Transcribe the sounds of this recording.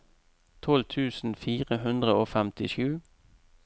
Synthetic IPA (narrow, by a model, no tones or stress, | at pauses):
t̪ʰɔlt̪ʰʉːsn̩fiːʁəɦʉnd̪ʁəoːfɛmt̪ɪʃʉː